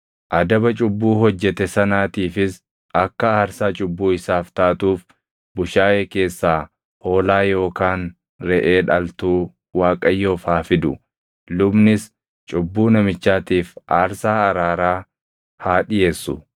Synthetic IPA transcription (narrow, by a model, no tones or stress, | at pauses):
ʔɐd̪ɐbɐt͡ʃʼʊbːuːɦɔd͡ʒːɛt̪ɛsɐnaːt̪iːfɪs | ʔɐkːɐaːɾsaːt͡ʃʼʊbːuːɪsaːft̪aːt̪uːf | bʊʃaːjeːke̞ːsːaː | ho̞ːlaːjo̞ːkaːn | ɾɛʔeːᶑɐlt̪uː | waːkʼɐjːo̞ːfhaːfɪd̪ʊ | lʊbnɪs | t͡ʃʼʊbːuːnɐmɪt͡ʃːaːt̪iːfʔaːɾsaːɐɾaːɾaː | haːᶑɪjeːsːʊ̰